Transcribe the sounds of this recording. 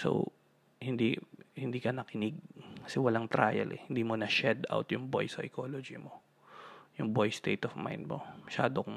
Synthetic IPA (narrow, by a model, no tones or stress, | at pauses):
so̰w | hɪnd̪ihɪnd̪iːkɐnɐkɪnɪɡ̚kɐ̥sɛwɐlaŋt̪ɾa̰ːjɐ̰lʔɛ̰hɪnd̪iːmonɐʃɛd̪a̰wt̪jʊŋbo̰jsɐɐ̰ɪkolod͡ʒimo̞ | jʊŋbojst̪ḛjt̪ɔfma̰jnd̪̚mo̰mɐʃa̰ːd̪ok